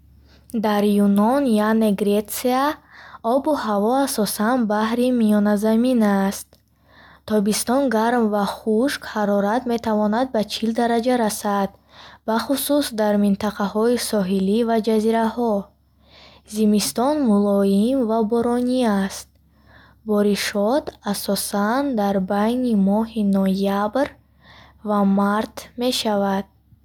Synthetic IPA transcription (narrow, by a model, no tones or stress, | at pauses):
d̪aɾjunɔnjaneɡɾet̪siaɔbuhavɔasɔsanbahɾimiɔnazaminast̪̚ʰː | ɔbist̪ɔnɡaɾmvaχuʃkhaɾɔɾat̪met̪ʰavɔnad̪̚bat͡ʃʰild̪aɾad͡ʒaɾasad̪ | baχususd̪aɾmint̪aqʰahɔisɔɦilivad͡ʒaziɾahɔ | zimist̪ɔnmulɔimvabɔɾɔniast̪̚ | bɔɾiʃɔt̪asɔsand̪aɾbajnimɔhinɔjabɾ | vamaɾt̪me̞ʃavad̪̥̚